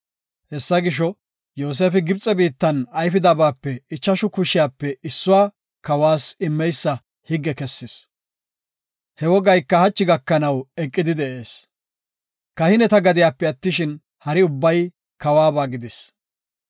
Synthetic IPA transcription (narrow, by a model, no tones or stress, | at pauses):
hɛsːɐɡɪʃ̬ɔ | joːs̬e̞ːfɪɡɪbt͡sʼːɛbiːt̪ːɐnɐjfɪd̪ɐbaːpːɛɪt͡ʃːɐʃʊkʊʃɪjaːpːɛʔɪsːʊwaː | kɐwaːsɪmːɛjsːɐ | hɪɡːɛkɛsːɪs | hɛwɔɡɐjkːɐhɐt͡ʃːɪɡɐkːɐnɐwɛkʼːɪd̪ɪd̪ɛʔe̞ːs | kɐhɪnɛt̪ɐɡɐd̪ɪjaːpːɛɐt̪ːɪʃɪn | hɐɾɪʊbːɐj | kɐwaːbaːɡɪd̪ɪs